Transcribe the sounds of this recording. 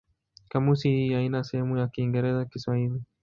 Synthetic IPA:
kamusihijainasɛhɛmujakiːŋɡɛɾɛzakiswahili

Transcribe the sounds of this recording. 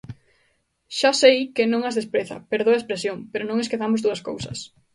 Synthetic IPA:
ʃasejkɪnõŋazðespɾeθɐ̰peɾð̞oɐespɾesjoŋpeɾʊnõŋeskeθamʊzðuɐsko̰wsɐ̰s

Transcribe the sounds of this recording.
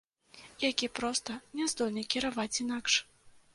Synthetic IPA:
jakʲipɾɔst̪ɐnʲɛzd̪ɔlʲnɐkʲiɾavat͡sʲinakʂ

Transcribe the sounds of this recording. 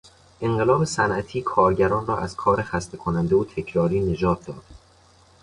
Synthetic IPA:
ʔe̞ɴɢelɒːbe̞sænʔæt̪ʰiːkʰɒːɾɟæɾɒːnrɒːʔæz̥kʰɒːɾe̞xæst̪e̞kʰonænd̪eot̪ʰe̞cʰɾɒːɾiːne̞d͡ʒɒːt̪̚ʰd̪ɒ̰ːd̪̥

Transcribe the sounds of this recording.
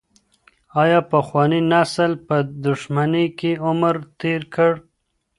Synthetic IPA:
ɑjɑpaxwɑninasəlpəd̪ʊʃmanekeʊməɾt̪eɾkʰəɽ

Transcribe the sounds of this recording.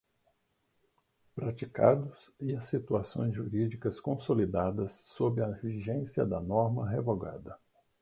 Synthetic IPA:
pɾat͡ʃikad̪ʊs | iɐsːit̪uasõ̰j̃zʒuɾid͡ʒikɐskõsolid̪ad̪ɐsːobɪɐviʒẽsjɐd̪ɐnɔɾmɐɦevoɡa̰d̪ɐ

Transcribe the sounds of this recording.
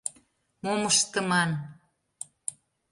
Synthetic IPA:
moməʃt̪ə̆mɑn

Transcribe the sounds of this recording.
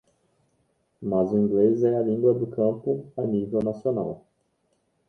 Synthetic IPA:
mazʊĩŋɡlezɛɐlĩŋɡwɐd̪ʊkʰɐ̃pʊanivewnasionaw

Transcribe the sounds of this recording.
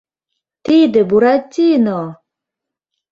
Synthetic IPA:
t̪ʰiːd̪ebuɾat͡ɕːinɔ

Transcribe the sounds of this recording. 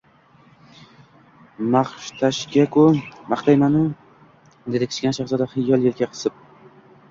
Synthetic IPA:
maχʃt̪ʰaʃkʲakʊmaχt̪ʰajmanʊ | d̪ed̪ɪkʰʲɪ̥t͡ʃkʲanʃaχzɒd̪aχɪjːɒlˠjelɡʲaqʰɨ̥sɪp̚

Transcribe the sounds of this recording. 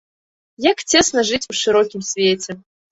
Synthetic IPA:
jakt͡sʲesnɐʐɨtʲuʂɨɾɔkʲimsʲvʲetʲɛ

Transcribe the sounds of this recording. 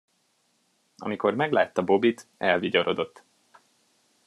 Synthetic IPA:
ɒ̰miko̞rmɛɡlaːt̪ːɒbo̞bit̪ɛlviɟoɾo̞d̪o̞t̪ː

